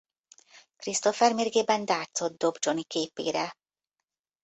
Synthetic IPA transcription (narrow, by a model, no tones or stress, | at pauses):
krist̪ofɛrmerɡeːbɛnd̪aːrt̪sod̪̚d̪o̞bd͡ʒonikeːpḛːɾɛ